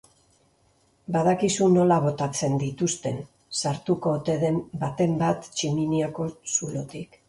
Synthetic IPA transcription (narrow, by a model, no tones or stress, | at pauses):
baðakisuno̞laβ̞o̞t̪at͡se̞nd̪it̪ust̪e̞n | saɾt̪uko̞t̪eðembat̪e̞mbat̪t͡ʃiminiako̞sulo̞t̪ik